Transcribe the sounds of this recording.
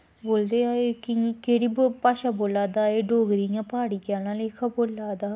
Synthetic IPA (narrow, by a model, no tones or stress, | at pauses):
boːld̪eːãːeːkɪkeːɽiːbpaːʃaːboːlaːd̪aːeːɖoːɡɾijãːpaːɽiːkaːnãːleːkʰaːboːlːaːd̪aː